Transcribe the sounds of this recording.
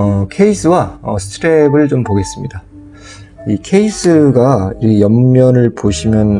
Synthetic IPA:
ʌkʰe̞isʰɯwaʌsʰɯ̥tʰɯɾe̞bɯɭt͡ɕompoɡe̞s͈ɯmɲida | ikʰe̞isʰɯɡaijʌmːjʌnɯɭpoɕʰimjʌn

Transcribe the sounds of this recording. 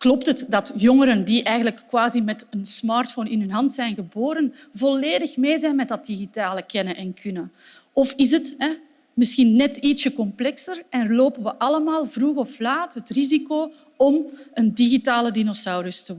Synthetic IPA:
klɔp̚tətdɑtjɔŋəɾəndiʔɛjɣən̩ələkːwaːzimɛtənsmɑːrtfoːnɪnɦɵnɦɑntsɛjnɣəboːɾən | vɔleːdəxmeːzɛjnmɛt̚dɑt̚diɣitaːləkɛnənʔɛnkʰʏnə | ɔfɪzətɦɛ | mɪsxinːɛtitsəkɔmplɛksərɛnloːpənʋəʔɑləmaːlˠvruɣɔflaːtɦətrizikoː | ɔməndiɣitaːlədinosawɾəstə

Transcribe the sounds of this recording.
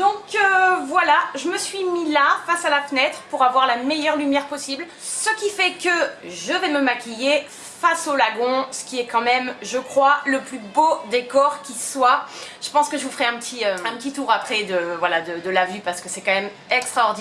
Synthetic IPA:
d̪ɔ̃køvwalaʒəməsɥimilafasalafənɛt̪χəpuʁavwaʁlamejœʁlymjɛʁpɔsibl | səkʲifɛkəʒəvɛməmakʲije | fasolaɡɔ̃sə̥kʲiɛkɑ̃mɛmʒəkχwaləplybod̪ekɔʁkʲiswaʒ̥ə̥pɑ̃skəʒəvufəʁɛɛ̃pət̪ʰiøɛ̃pət̪it̪uʁapχɛd̪əvwalad̪əd̪əlavypaʁsə̥kəsɛkɑ̃mɛm | ɛkst̪χaɔʁd̪i

